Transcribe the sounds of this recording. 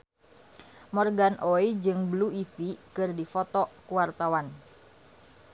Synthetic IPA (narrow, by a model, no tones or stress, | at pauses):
mɔrɡanʔɔid͡ʒɨŋbluifikɨrdifɔt̪ɔkuwart̪awan